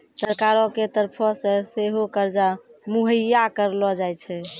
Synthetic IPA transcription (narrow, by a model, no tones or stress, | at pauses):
səɾkaɾɔket̪əɾpʰɔsə̃seɦokəɾd͡ʒamuɦəjakəɾlɔd͡ʒajt͡ʃʰɛ